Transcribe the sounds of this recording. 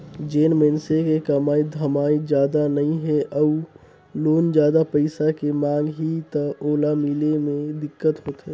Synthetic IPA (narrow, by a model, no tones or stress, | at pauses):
d͡ʒeːnmensekekəmaːid̪ʱəmaːid͡ʒjaːd̪anəĩɦɛʔəu | loːnd͡ʒjaːd̪apəɪsakemãːɡɦit̪əoːlamilemẽd̪ɪkːət̪ɦoːt̪ɦɛː